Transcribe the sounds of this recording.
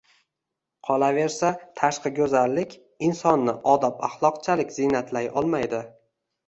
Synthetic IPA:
qʰɒlˠave̞ɾsat̪ʰaʃqɨɡʲɵzalːɪkʲ | ɪnsɒnːɪʔɒd̪apaχlˠɒqt͡ʃʰalɪkʲz̥inat̪ʰlajʔɒlˠmajd̪ɪ

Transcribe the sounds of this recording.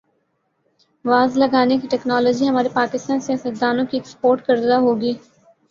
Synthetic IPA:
ʋaːzləɡaːnekiʈɛːknaːlɔːd͡ʒiːɦəmaːɾepaːkɪst̪aːnsjaːsəd̪aːnõːkiɪkspoːɾʈkəɾd̪aɦoːɡiː

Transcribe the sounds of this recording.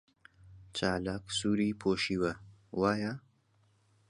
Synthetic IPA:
t͡ʃaːlaːksuːɾiːpʰoːʃiːwɐwaːja

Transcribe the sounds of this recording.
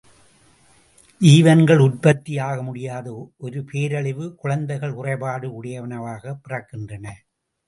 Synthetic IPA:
ʔiːʋɐnɡɐɭʊɾpɐt̪ːijaːɣɐmʊɽɪjaːðɐʔɔɾɯpʰeːɾɐɭɪʋɯkʊɻɐnd̪ɐɪɣɐɭʊrɐɪbaːɽɯʊɽɐjɐʋɐnɐʋaːɣɐpːɪrɐkːɪndrɐnɐ

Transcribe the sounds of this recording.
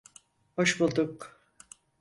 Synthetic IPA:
hoʃbulˠd̪uk

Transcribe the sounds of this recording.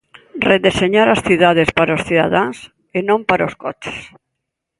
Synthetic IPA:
reðeseɲaɾasθiðað̞espaɾaosθiða̰ðaŋs | enõmpaɾaoskot͡ʃe̥s

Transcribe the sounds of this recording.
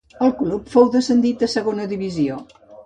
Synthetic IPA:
əlˠklupfowðəsənd̪it̪̚d̪əsəɣonəðiβizio

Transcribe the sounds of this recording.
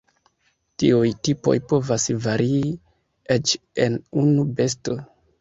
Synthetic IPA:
tiujtipo̞̰jpo̞vasvaɾi | et͡ʃ | e̞nunube̞s̬to̞

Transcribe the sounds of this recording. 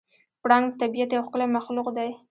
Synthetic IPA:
pɽɑŋɡd̪t̪abijat̪jawxkəlamaxluqd̪aj

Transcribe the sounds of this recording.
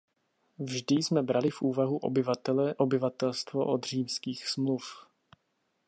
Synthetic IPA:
vʒdɪsmɛbɾalɪfʔuːvaɦuʔɛʔobɪvat̪ɛlst̪vo̰ʔod̪r̝iːmskiːxsmluf

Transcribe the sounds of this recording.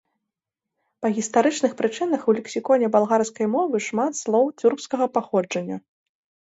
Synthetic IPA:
pɐɣʲist̪aɾɨt͡ʂnɨxpɾɨt͡ʂɨnɐxulʲɛksʲikɔnʲɛbalˠɣarskɐjmɔvɨʂmat̪slˠɔwt͡sʲurpskɐɣɐpaxɔd͡ʐɐnʲːɐ

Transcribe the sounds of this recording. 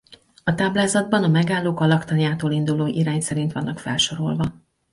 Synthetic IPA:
ɒt̪aːblaːzɒd̪̚bɒnɒmɛɡaːlːoːkɒlɒkt̪ɒnjaːt̪oːlind̪uloːʔiɾaːɲsɛɾint̪ʋɒnːɒkfɛlʃo̞ɾo̞̰lvɒ

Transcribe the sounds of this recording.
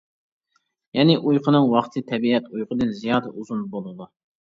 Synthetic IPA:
jɛnɪʔujqʰənɨŋwɑχt̪ʰɨt̪ʰɛbiɛt̪ʰujqʰəd̪ɨnzijɑːd̪ɛuzunbolˠɨd̪u

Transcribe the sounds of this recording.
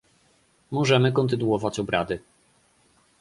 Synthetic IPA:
mɔʐɛmɘkɔnt̪ɘnuɔvat͡ɕɔbɾad̪ɘ

